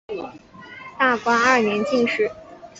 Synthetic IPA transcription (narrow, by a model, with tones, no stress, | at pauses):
t̪a˥˩kwa˥ɐ˥˩njɛ˧˥nt͡ɕi˥˧ŋʂɻ̩˥˩